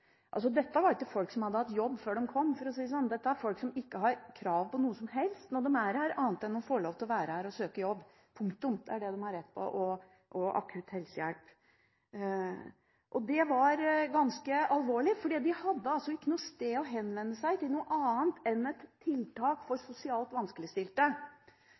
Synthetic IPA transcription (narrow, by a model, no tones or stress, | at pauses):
ʔɑls̬ɔd̪ɛt̪ːəʋɑɾɪkːəfɔlksɔmhɑd̪ːəhɑt̪ːjɔbːføːɖɛmkʰɔmːfɔɾɔsiːəs̬ɔnːd̪ɛt̪ːəæɾfɔlksɔmɪkːəɦɑɾkʰɾɑːʋpɔnuːəsɔmɦɛlst̪nɔɖɛmæɾæɾɑːnt̪ɛnd̪ɔmfoːɭoːʋt̪ʰɪlɔʋæːɾəhæɾɔsøːkəjɔbː | pʰʊŋkt̪ʊmd̪̥ɛæɖɛd̪ɛmhɑɾɛt̪ːpʰɔ̰ʔɔ | ʔɔʔɑ̰kʰʉːt̪hɛlsjæ̰lp | ʔɔd̪ɛʋɑɾɡɑnskəɑlʋoːɭɪfɔɖiːd̪ɪhɑd̪ːəɑlsɔɪkːənuːəst̪eːɔɦɛnːʋɛnːəsæɪt̪ɪlnuːəʔɑːnt̪ʰɛnɛt̪ʰːɪlt̪ʰɑːkfɔɾsʊsɪɑːlt̪ʋɑnskəlɪəst̪ɪlt̪ə